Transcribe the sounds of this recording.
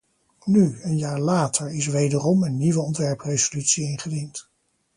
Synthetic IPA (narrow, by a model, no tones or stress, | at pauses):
nyənjaːɹlaːtʰəɹɪsʋejdərɔmənːiʋəɔntʋɛɹprejzolytsiɪnχədint